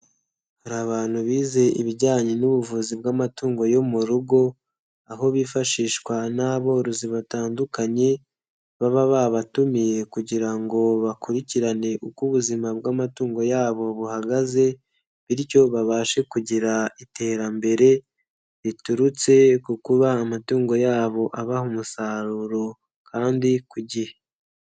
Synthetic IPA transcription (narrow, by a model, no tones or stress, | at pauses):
haɾaβaːn̥huβiːze̞ʔḭβiɟaːɲe̞nuβuvuːzibɡamatuːŋɡo̞jo̞muɾuɡo̞ | aɦo̞βiːfaʃiːʃkwanaβo̞ɾuziβataːndukaɲe̞ | βaβaβaβatumije̞kuɟiɾaŋɡo̞βakuɾiciɾane̞ʔukuβuzimab̚ɡamatuːŋɡo̞jaːβo̞βuhaɡaze̞ | βiɾjo̞βaβaːʃe̞kuɟiɾaitʰe̞ːɾambe̞ɾe̞ | βituɾut͡se̞kukuβaːmatuːŋɡo̞jaːβo̞ʔaβahumusaɾuɾo̞ | kʰaːndikuɟihe